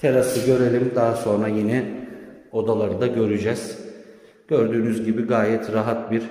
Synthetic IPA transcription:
t̪ʰelasɯɟø̞ɾelʲimd̪aɦaso̞nɾajinɛ | o̞d̪alˠaɾɯd̪aɟø̞ɾyd͡ʒɛz̥ | ɟ̥øɾd̪yːnyzɟibiɡaːjɛt̪ʰɾaɦat̪̚biɾ

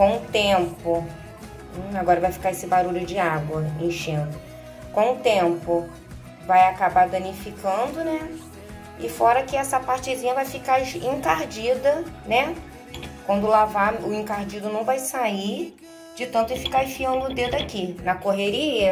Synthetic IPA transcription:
kõw̃ʊ̃t̪ẽmpʊ̃ | aɡɔɾɐvajfi̥kaɾesɪbaɾuʎʊd͡ʒɪaɡwɐẽʃẽd̪ʊ | kõʊt̪ẽmpʊ | vajakabaɾd̪ɐ̃nifikɐ̃nd̪ʊnɛ | ɪfɔɾɐkɪɛsɐpaɾt͡ʃɪzĩɲɐvajfikaẽkaɾd͡ʒid̪ɐnɛ | kwɐ̃nd̪ʊlavaɾʊẽkaɾd͡ʒid̪ʊnɐ̃w̃vajsai | d͡ʒɪt̪ɐ̃nt̪ʊɪ̃fi̥kãfiɐ̃d̪ʊd̪ed̪ʊakinɐkoɦeɾiɐ

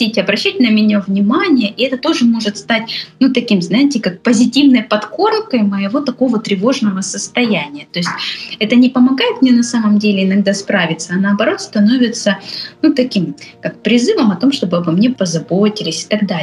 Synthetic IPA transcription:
itʲɪɐbɾɐɕːætʲnəmʲɪnʲavnʲɪmanʲɪjəʔɪɛt̪ət̪o̞ʐɨmo̞ʐɨt̪st̪atʲnut̪ɐkʲimznajɪtʲɪkak̚pəzʲɪtʲivnəjpɐt̪ko̞rkəjməjɪvo̞t̪ɐko̞vət̪ɾʲɪvo̞ʐnəvəsəst̪ɐjænʲɪjət̪o̞ɪsʲtʲɛt̪ənʲɪpəmɐɡajɪt̪mnʲenɐsaməmdʲelʲɪɪnɐɡ̚d̪aspɾavʲɪt̪səɐnɐːbɐɾo̞t̪st̪ɐno̞vʲɪt̪sənut̪ɐkʲimkak̚pɾʲɪzɨvəmɐt̪o̞mʂt̪o̞bɨabɨmnʲe̞pəzɐbo̞tʲɪlʲɪsʲɪ̥t̪ɐɡd̪a

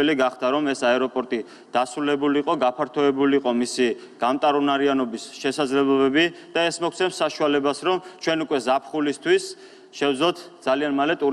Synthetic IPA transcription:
ɛliɡaχd̪aɾɔmɛsaɛɾɔpʼɔɾt̪ʼi | d̪̥asɾulɛbuliːqʼɔɡapʰaɾt̪ʰɔɛbuliːqʼɔmisi | ɡ̥amt̪ʼaɾɔnaɾianɔbisʃɛsad̪zlɛblˠɔbɛbid̪̥aɛsmɔkʰtsʰɛnsaʃualɛbasɾɔmt͡ʃʰwɛnukʼwɛzapʰχulist̪ʰwis | ʃɛvd̪zlɔt̪ʰd̪zalianmalɛt̪ʼu

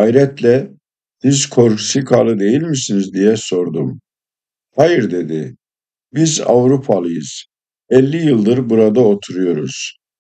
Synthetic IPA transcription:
ajɾɛt̪lʲɛ | sizkʰo̞ɾksikʰalˠɯd̪e̞jilʲmisinizd̪ijɛso̞ɾd̪um | hajɯɾd̪e̞d̪ɪ | biza̰vɾupʰalˠɯjɯz̥ | ɛlʲːijɯlˠd̪ɯɾbuɾad̪aot̪ʰuɾujo̞ɾuz̥

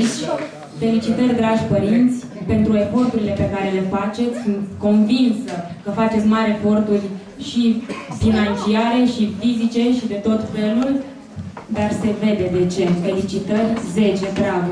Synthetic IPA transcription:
t͡ʃʲ | fe̞lit͡ʃit̪ərʲd̪ɾaʒʲpəɾint̪sʲ | pe̞nt̪ɾue̞fo̞rt̪uɾile̞pe̞kaɾe̞le̞fat͡ʃe̞t̪sʲsunt̪ko̞nvinsəkəfat͡ʃe̞t̪sʲmaɾʲefo̞rt̪urʲ | ʃifinant͡ʃiaɾe̞ʃifizit͡ʃe̞ʃid̪e̞t̪o̞t̪fe̞lul | d̪arse̞ve̞d̪e̞d̪e̞t͡ʃe̞fe̞lit͡ʃit̪ərʲze̞t͡ʃe̞t̪ɾaɡ

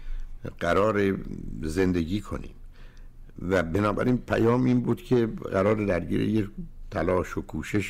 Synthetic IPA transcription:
ɢ̥æɾɒːɾeze̞nd̪eɡiːkʰo̞̰nḭːm | væbenɒːbæ̰ɾiːnpʰæ̰jɒːmʔiːnbuːd̪cʲʰe̞ɢæɾɒːɾed̪æɾɟḭːɾḛjet̪ʰælɒːʃokʰuːʃeʃ

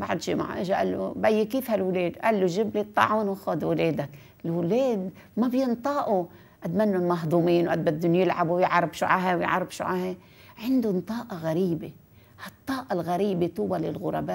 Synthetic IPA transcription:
ba̰ʕd̪ʃḭma̰ʕa̰ʔɪʒaʔa̰lːṵbajːekiːfhalwleːd̪ʔalːuʒɪblet̪ˤːɑ̰ʕunwɪxoːd̪wleːd̪ak | ɪlwleːd̪ | mabjɪnt̪ˤɑːʔu | ʔad̪manːʊnmɑɦd̪ˤuːmiːnwʔad̪̚bad̪ːunjɪlʕabuwjɪʕɾˤɑbʃuʕaɦawjɪ̰ʕɑ̰ɾˤɑfʃṵʕahe | ʕɪnd̪unt̪ˤɑːʔɑɣaɾiːbe | hat̪ˤːɑːʔɑlɣaɾiːbet̪uːbalɪ̰lɣʊɾˤɑ̰baː

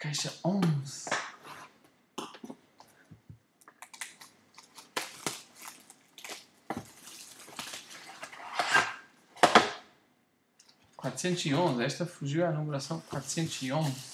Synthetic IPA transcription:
kajʃɐõz | kwat̪ɾʊ̥sẽnt̪ʊziõzɛst̪ɐfuʒiwanɐmuɾasɐ̃w̃kwat̪ɾʊ̥sẽnt̪ʊziõzɪ

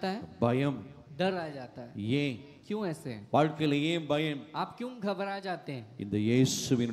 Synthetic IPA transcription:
t̪aɦɛbɐjɐmd̪ɐɾaːd͡ʒaːt̪aɦɛjeː | kjũɛːseɦɛ̰ʋaːɻkɐlejebɐjɐmaːpkjũːɡʱɐbəɾaːd͡ʒaːt̪eɦɛ̃ɪ̰nd̪ɐjeːsuʋɪn

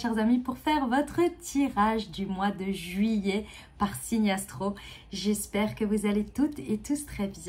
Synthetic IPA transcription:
ʃɛʁzamipuʁfɛʁvɔt̪χət̪ʰiʁaʒd̪ymwad̪əʒɥije | paʁsinjast̪χoʒɛspɛʁkəvuzalet̪ut̪et̪ust̪χɛbjɛ̃

